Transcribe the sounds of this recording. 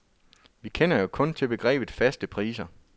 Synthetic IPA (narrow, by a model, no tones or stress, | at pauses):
ʋikʰen̰ɐjo̝kʰɔ̽nt͡sʰe̝b̥e̝ɡ̥ʁɛ̰ːb̥ð̩ˠfæsd̥əpʰʁḭːsɐ